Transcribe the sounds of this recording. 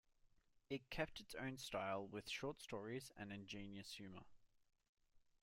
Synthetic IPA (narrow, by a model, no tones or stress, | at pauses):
ɪt̚kʰɛp̚tɪtsə̰̃ʊ̃nstɑɪlˠwɪð̥ʃɔˑtstɔːɹizə̰̃nɨ̃nd͡ʒĩnjəshʉːmə̰